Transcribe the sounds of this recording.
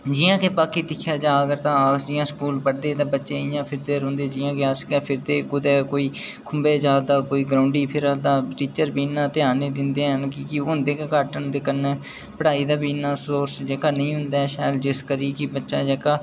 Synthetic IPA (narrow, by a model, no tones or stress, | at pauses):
d͡ʒɪjãːkeːpaːkiːd̪ɪkʰːjaːd͡ʒaːəɡəɾt̪ãːd͡ʒɪjãːskuːlpəɽd̪eːt̪ãːbətːʃeːɪjãːpʰɪɾd̪eːɾõːnd̪eːd͡ʒɪːãːkeaskɛːpʰɪɾd̪eːɡʊd̪eːkoːiː | kʰʊmbeːd͡ʒaːd̪aːkoːiːɡɾaːʊɳɖiːpʰɪɾad̪aːʈiːt͡ʃəɾbiːnːãːt̪ɪaːneːd̪ɪnd̪eːɦənkikɪʊnd̪eːkekaːʈənd̪ekənɛː | pəɽaːiːd̪aːbiːnːaːsoːɾsd͡ʒeːkaːnəĩːɦʊ̃nd̪aːʃaːjəld͡ʒɪskəɾikɪbətːʃaːd͡ʒeːkaː